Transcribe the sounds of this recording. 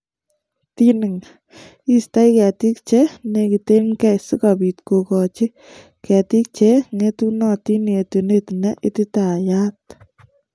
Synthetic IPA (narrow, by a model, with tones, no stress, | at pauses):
ti˦nɪ˨ŋ | i˦sta˦jkɛ˨t̪i˦k̚t͡ʃe˦ne˨ki˨t̪e˦mkɛ˦su˦kapi˨t̪ko˨kɔ˨t͡ʃɪ˦ | kɛ˨t̪i˦k̚t͡ʃe˦ŋe˦t̪u˦nɔ˦ti˦ne˨tu˨ne˦t̪nɛ˦ʔi˦t̪ɪ˦ta˨ja˦t̚